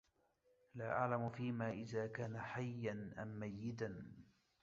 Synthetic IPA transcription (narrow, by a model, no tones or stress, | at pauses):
laːʔa̰ʕlamʊfiːmaːʔɪðaːkaːnaħajːanʔa̰mːajːɪd̪an